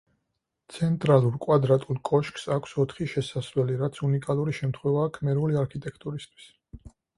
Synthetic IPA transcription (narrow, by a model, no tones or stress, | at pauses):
t̪sʰɛnt̪ʼɾalˠuɾkʼwad̪ɾat̪ʼulˠkʼɔʃksakʷʰsɔt̪ʰχiʃɛsasvlɛliɾat̪sʰunikʼalˠuɾiʃɛmt̪ʰχwɛvaːkʰmɛɾuliaɾkʰit̪ʼɛkʰt̪ʼuɾist̪ʰwi̥s